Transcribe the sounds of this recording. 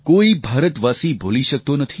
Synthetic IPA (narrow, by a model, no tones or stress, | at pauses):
koibʱaːɾət̪ʋaːsibʱoliʃək̚t̪onət̪ʰi